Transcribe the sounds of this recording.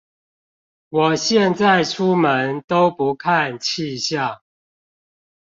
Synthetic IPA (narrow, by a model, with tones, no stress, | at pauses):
wɔ˨˩ɕjɛ˥˨nt͡sa˥˨ɪʈ͡ʂʰu˦mə˨˦nt̪o˦ʊpu˨˦kʰa˥˨nt͡ɕʰi˥˧ɕjɑ˥˨ŋ